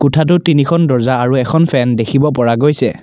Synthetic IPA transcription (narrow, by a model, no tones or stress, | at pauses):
kutʰat̬ʊtinikʰɔndɔɹzaːɹuɛkʰɔnpʰɛndekʰibɔp̬ɔɹaɡojsɛ